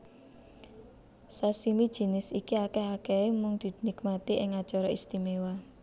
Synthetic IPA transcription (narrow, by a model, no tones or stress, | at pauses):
sasimid̥ʒ̥i̤nɪsikiakɛhakeemʊŋd̪̥i̤d̪nikmat̪iʔɪŋḁt͡ʃɔɾɔist̪imewa